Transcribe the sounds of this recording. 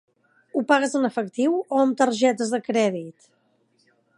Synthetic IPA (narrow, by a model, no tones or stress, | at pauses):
upaɣ̞əzənəfəkt̪iwoəmt̪əɾʒɛt̪əzðəkɾɛðit̪